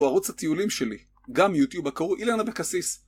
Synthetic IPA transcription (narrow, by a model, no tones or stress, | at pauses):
aʁut͡shat̪iulimʃeli | ɡamjut̪jubakaʁuʔilanabekasis